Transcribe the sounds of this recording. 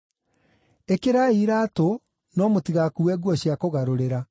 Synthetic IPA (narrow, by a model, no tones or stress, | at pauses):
ekeɾaiɾato | nɔmotiɣakuwɛɣwɔɕiakoɣaɾoɾeɾa